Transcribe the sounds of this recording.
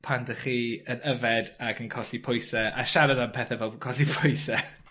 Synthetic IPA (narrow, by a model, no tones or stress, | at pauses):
pʰandəχiːənəvɛdaɡənkʰɔɬipʰʊjsɛa̰ʃaɾadampʰɛːθɛvɛlˠkʰɔɬipʰʊjsɛ